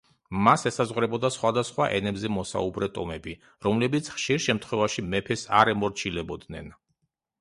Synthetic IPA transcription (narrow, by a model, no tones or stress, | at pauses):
masɛsazʁɾɛbɔd̪asχwad̪asχwaʔɛnɛbzɛmɔsa̰ubɾɛt̪ʼɔmɛbi | ɾɔmlɛbit̪sʰχʃiɾʃɛmt̪ʰχwɛvaʃimɛpʰɛsa̰ɾɛmɔɾt͡ʃʰilɛbɔd̪nɛn